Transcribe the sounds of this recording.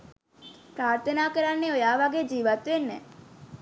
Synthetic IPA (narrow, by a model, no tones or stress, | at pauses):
pɾaːɾt̪ʰənaːkəɾanːeojaːʋaɡed͡ʒiːʋat̪ʋenːɛ